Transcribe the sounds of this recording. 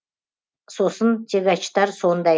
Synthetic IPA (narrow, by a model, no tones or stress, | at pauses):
sosənt̪ʲʰeɡʲɑt͡ʃt̪ɑɾsond̪ɑ